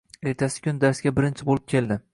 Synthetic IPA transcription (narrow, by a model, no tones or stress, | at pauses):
e̞ɾt̪ʰasɪ̥kʲʰʊnd̪aɾsɡʲabɪɾɪnt͡ʃʰɪbolˠɪp̚kʲʰe̞ld̪ɪ